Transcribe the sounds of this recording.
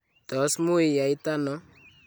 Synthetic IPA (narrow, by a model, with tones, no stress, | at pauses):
tɔ˨˦smu˦e˨ja˨i˦ta˦nɔ˦